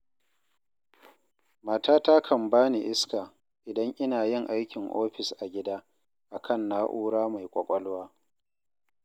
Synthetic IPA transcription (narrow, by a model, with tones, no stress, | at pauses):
maː˨taː˦ta˦kʰɐ˨mbaː˦ni˨ʔɪ˦skaː˨ | ʔɪ˨dɐ˦ŋʔɪ˦naː˨jɪ˦˨ŋʔa˦jkʲɪ˨ŋʔoː˦ɸɪ˨sʔa˨ɡʲɪ˦daː˦ | ʔa˨kʰɐ˦˨nːaː˦ʔuː˦ɽaː˦ma˨jkʷʼɐ˨kʷʼɔ˦lwaː˦